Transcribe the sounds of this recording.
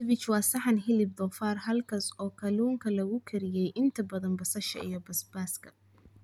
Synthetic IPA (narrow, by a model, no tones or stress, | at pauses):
βɪt͡ʃwɑːsɐħɑnɦɪlɪb̚d̪ɔfaːrhɐlkʰɐsɔːkʰɐluːŋkʰɐlɐɣʊkʰɪɾɪjɛjʔɪnt̪ʰɐbɐðɐnbɐsɐʃɐ̰ʔḭjɞbɐsbaːskʰɐ̥